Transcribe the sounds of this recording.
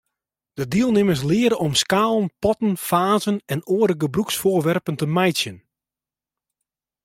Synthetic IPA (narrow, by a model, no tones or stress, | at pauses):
d̥ədiəlˠnɪməs̬lɪəɾəɔmskaːlˠənpɔtən̩faːzənɛnoːəɾəɡəbruksfoːrʋɛrpəntəmɛjsjən